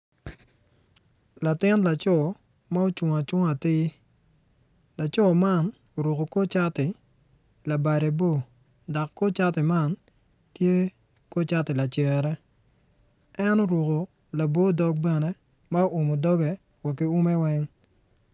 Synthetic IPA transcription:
la˨tɪ˦nla˨t͡ʃɔ˦˨ | ma˦o˦t͡ʃʊ˨ŋa˨t͡ʃʊ˦ŋa˨tɪ˦ | la˨t͡ʃɔ˦ma˦˨n | o˨ɾwo˨ko˨ko˦t͡ʃa˦tɪ˨ | la˨ba˨ɾe˨bo˦˨ | da˨kːo˦t͡ʃa˦tɪ˨ma˦˨n | tje˦ | ko˦t͡ʃa˦tɪ˨la˨t͡ʃɛ˨ɾɛ˦ | ɛ˦no˦ɾo˨ko˨ | la˨bo˦dɔ˦k̚bɛ˨ne˦ | ma˦o˦ʔʊ˨mo˨dɔ˦ɡɛ˨ | wa˨kːi˦u˦mɛ˦wɛ˦ŋ

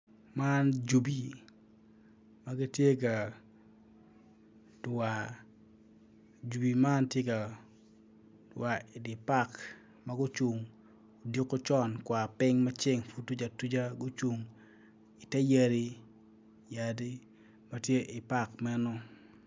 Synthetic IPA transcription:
ma˦nd͡ʒu˨bi˨ | ma˦ɡi˦tje˦ka˨ | d̥wa˨ | d͡ʒu˨bi˨ma˦ntje˦ka˨ | dwa˨ɪ˨dɪ˨pa˦˨k | ma˦ɡʊ˦t͡ʃu˨ŋ | o˨di˦kʊ˦t͡ʃɔ˦nkwa˨pɪ˦ŋma˦t͡ʃɪ˦ŋfu˦tːu˦d͡ʒa˨tu˦d͡ʒa˦ɡʊ˦t͡ʃu˨ŋ | ɪ˨tɛ˦je˦ɾi˦ | ja˨di˦ | ma˨tje˦ʔɪ˨pa˦kmɛ˦nɔ˦

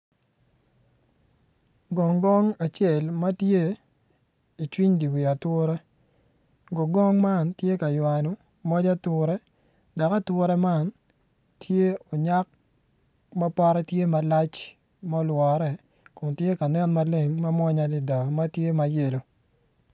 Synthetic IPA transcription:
ɡɔ˨ŋɡɔ˦ŋa˨t͡ʃe˦˨lma˦tje˦ | i˨t͡ʃwi˦ɲdi˨wi˨a˨tʊ˦ɾɛ˦ | ɡo˨ɡɔ˦ŋma˦˨ntje˦ka˨jwa˨no˨ | mɔ˦d͡ʒa˦tʊ˨ɾɛ˦ | da˨ka˦twʊ˦ɾɛ˦ma˦˨n | tʰje˦o˨ɲa˦k̚ | ma˦pɔ˦ɾɛ˦tje˦ma˨la˦t͡ʃ | mɔ˦lwɔ˨ɾɛ˨ | kʊ˨ntje˦ka˨nɛ˦nma˦le˦ŋma˦mɔ˦ɲa˦di˨da˨ma˦tje˦ma˨je˨lo˨

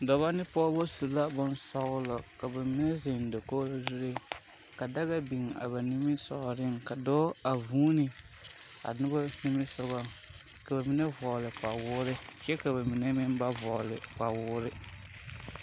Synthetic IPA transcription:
dɔ˨βa˦nɪ˦pɔ˦bo˦su˨la˦bɔ˦nsɔ˦ɣʊ˦lɔ˨ka˨ba˨mi˨˦nɛ˦zɪ˨n˨do˨ko˦lo˦zu˦ɾe˦ | ka˨da˦ɣa˦bi˨ŋ˨a̰˨ba˨ni˦mɪ˦sɔ˨ɾɪ˦ŋka˨dɔː˦a˨vuː˦nɪ˨ | a̰˨nʊ˦ba˦ni˦mɪ˦sɔ˦ɣɔ˦ | ka˨ba˨mi˦nɛ˦vɔ˨lɪ˨k͡pa˨wʊː˦ɾɪ˦t͡ʃɛ˦ka˨ba˨mi˨nɛ˦mɪ˦nba˦vɔ˨lɪ̰˨k͡pa˨wʊː˦ɾɪ˦

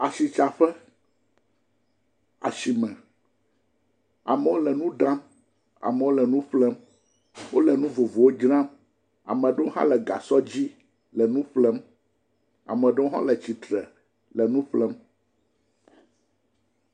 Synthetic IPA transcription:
a˨si˨t͡ʃa˨ɸɛ˦ | a̰˨ʃi˨mɛ̃˨ | a̰˨mɛ˨wo˦lɛ˨nũ˦ɖã˦m | a̰˨mɛ̃˨wo˦lɛ˨nũ˦ɸlɛ˦m | wo˦lɛ˨nũ˦vo˨vo˨wo˦d͡ʒɾã˦m | a̰˨mɛ̃˨ɖɛ˦wo˦ɦã̰˦lɛ˨ɡa̰˨sɔ˦d͡ʑi˦ | lɛ˨nũ˦ɸlɛ˦m | a̰˨mɛ̃˨ɖɛ˦wo˦ɦã̰˦lɛ˨t͡ɕi˨t̪ɾɛ˨ | lɛ˨nũ˦ɸlɛ˦m

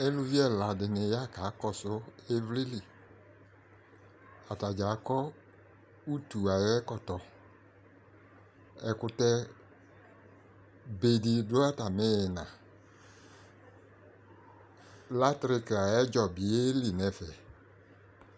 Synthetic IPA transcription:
e˦lu˧vi˦ɛ˦˨la˨dɪ˨nɪ˨˦ja˦˨ka˨˦kɔ˧sʊ˦e˦vli˦li˨ | a˨ta˨d͡ʒa˨˦kɔ˦ | u˦tu˨a˨jɛ˦kɔ˦˨tɔ˨ | ɛ˨kʊ˧tɛ˧ | be˨di˨dʊ˦a˦˨ta˨mɪ˦jɪ˨nã˨ | la˦tɾɪ˧ka˨jɛ˦d͡ʒɔ˨bi˨e˦li˨nɛ˨fɛ˨

